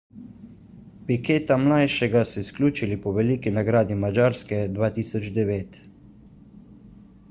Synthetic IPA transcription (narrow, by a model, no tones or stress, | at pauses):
pikeːt̪amlajʃɛɡasɛisklʲuːt͡ʃilipɔʋɛlikinaɡɾaːd̪imad͡ʒaːɾskɛd̪ʋaːt̪iːsɔd͡ʒd̪ɛʋeːt̪